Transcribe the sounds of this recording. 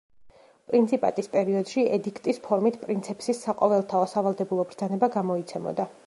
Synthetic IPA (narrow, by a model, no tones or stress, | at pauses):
pʼɾint̪sʰipʼa̰t̪ʼispʼɛɾiɔd̪̥ʃiʔɛd̪ikʰt̪ʼispʰɔɾmit̪ʰpʼɾint̪sʰɛpsisːaqʼɔvɛlˠt̪ʰaɔsavalˠd̪ɛbulˠɔbɾd̪zanɛbaɡamɔit̪sʰɛmɔ̰d̪a